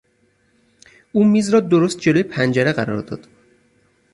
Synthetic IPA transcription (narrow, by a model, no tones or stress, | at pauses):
ʔuːmiːzɾɒːd̪oɾost̪̚d͡ʒe̞lojepʰænd͡ʒæɾeɣæɾɒ̰ɾd̪ɒ̰ːd̪̥